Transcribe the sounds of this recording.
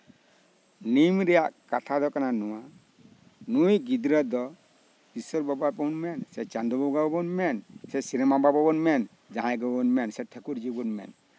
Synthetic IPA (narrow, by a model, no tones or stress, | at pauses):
nimɾɛjaʔkat̪ʰad̪ɔkananɔwa | nujɡid̪ɾad̪ɔ | bisɔɾbabapɔnmɛnsɛt͡ʃand̪ɔbɔɡabɔbɔnmɛnsɛsiɾɛmabababɔnmɛn | d͡ʒãɛɡɔbɔnmɛnsɛtʰɛkuɾd͡ʒibɔnmɛ̰n